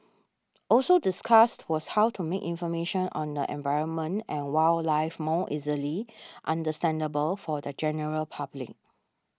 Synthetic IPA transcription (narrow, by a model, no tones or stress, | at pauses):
ʔɔlsodiskʰastwɔshawtʰumekĩnfɔmeʃə̃nʔɔ̰̃ndəʔɛ̰̃ɱvaɪɹə̃nmə̃ntɛ̃nwallaɪfmɔʔiziliʔãndəstɛ̃ndəbəlfɔdəd͡ʒɛnəɹəlpʰablɪ̰k̚